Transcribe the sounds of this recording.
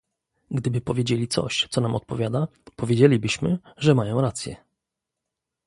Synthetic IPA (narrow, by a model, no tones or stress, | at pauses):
ɡd̪ɘbɘpɔvʲjed͡ʑelʲit̪sɔ̰ɕt̪sɔnamɔt̪̚pɔvʲjad̪apɔvʲjed͡ʑelʲibɘɕmɘʐɛmajɔ̃w̃ɾat̪sʲjɛ̰